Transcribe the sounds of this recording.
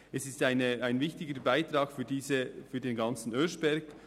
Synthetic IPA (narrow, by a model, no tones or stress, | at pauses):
ɛsɪstaɪnəaɪnvɪçtɪɡəbaɪt̪ɾɑːkfyːdiːzəfyːdeːnɡɑnt͡sn̩øʃb̥ɛɾɡ